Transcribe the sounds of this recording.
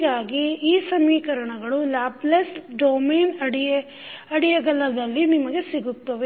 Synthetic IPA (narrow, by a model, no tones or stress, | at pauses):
ɡaːɡiːsɐmiːkɐɾɐɳɐɡɐɭulaːplesɖoːmeːnɐɽi | ɐɽijɐɡɐlɐd̪ɐlːinimɐɡe̞siɡut̪ːɐʋe